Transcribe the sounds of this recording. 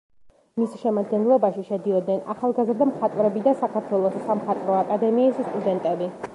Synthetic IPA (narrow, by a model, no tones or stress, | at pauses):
misʃɛmad̪ɡɛnlˠɔbaʃiʃɛd̪iɔd̪̚nɛna̰χalˠɡazɾd̪amχat̪ʼvɾɛbid̪asakʰaɾt̪ʰwɛlˠɔssamχat̪ʼvɾɔakʼad̪ɛmiːsst̪ʼud̪ɛnt̪ʼɛbi